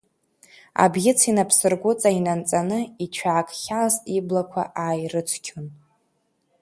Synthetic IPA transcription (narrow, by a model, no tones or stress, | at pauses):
a̰bɡʲɪt͡sʰinapʰsɨrɡʷʊt͡sʼainant͡sʼanɨit͡ʃʷʰaːkʼχʲalztiblakʷʰa̰ʔaːjrɨt͡ʃʷʰkʲʰon